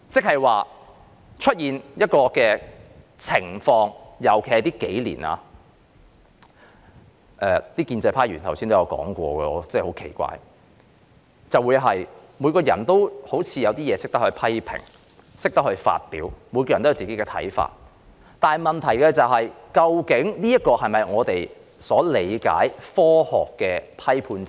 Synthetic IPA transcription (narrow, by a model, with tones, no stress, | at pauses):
t͡sɪ˥k̚hɐ˨jwaː˨ | t͡ʃʰɵ˥t̚jiː˨njɐ˥t̚kɔː˧kɛː˧ | t͡sʰɪ˨˩ŋfɔː˧ŋjɐ˨˩wkʰe˨˩hɐ˨˩t̪iː˥ke˨˥jlḭː˨˩nʔa̰ː˧ | ʔɛː˨˧t̪iː˥kiː˧nt͡sɐ˧jpʰaː˥jɥy̰ː˨˩nt̪ʰɐ˨˩wsiː˥nt̪o˥jɐ˨˧wkɔ̰ː˨˥ŋkʷɔ̰ː˧ɡɛ̰ː˧ɔ˨˧t͡sɛː˥˧˩ho˨˥wkʰe˨˩jkʷa̰ː˧j | t͡sɐ˨wuː˨˧jɦɐ˨jmuː˨˧jkɔː˧jɐ˨˩nt̪o˥who˨˥wt͡sʰiː˨˧jɐ˨˧wt̪iː˥jɛː˨˧sɪ˥k̚t̪ɐ˥hɵ˧ɥpʰɐ˥jpʰɪ̰˨˩ŋ | sɪ˥k̚t̪ɐ˥k̚hɵ˧ɥfa̰ː˧t̚pḭː˨˥wmu˨˧kɔː˧jnt̪o˥jɐ˧wt͡siː˨ke˨˥jkɛ˧t̪ʰɐ̰˨˥jfa̰ː˧˩t̚ | t̪aː˨mɐ˨nt̪ʰɐ˨˩jkɛ˧t͡sɐ˨wɦɐ˨jkɐ˧wkɪ˨˥ŋniː˥jɐ˥t̚kɔː˧hɐ˨jmɐ˨˩jŋɔː˨˧t̪e˨j | sɔː˨˥le˨˧jka̰ː˨˥jfɔː˥hɔː˨kːɛː˧pʰɐ˥jpʰuː˧nt͡s